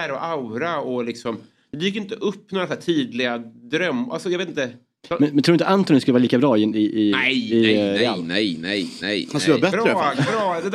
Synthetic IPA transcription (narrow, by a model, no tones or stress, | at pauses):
ɾɔʔawɾaɔlɪksɔm | ɛd̪ɛjɪkːɪnt̪əʔɵpːnoːɾasæːʈ̪ʰiːd̪lɪɡad̪ɾœmːʔa̰lsɔjɑɾvet̪ɪnt̪ə | mɛnmɛnɾuːɾɪt̪əant̪ɔnɪnskɵlvːɾliːkabɾɑːɪɪʔɪɛjɪalɛjnɛj̪ɛjhasløːbɛt̪ːɾafɾd̪ɛd̪